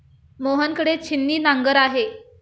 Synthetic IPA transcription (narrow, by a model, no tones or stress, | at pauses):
moɦənkəɽet͡ɕʰinːiːnãŋɡəɾaɦe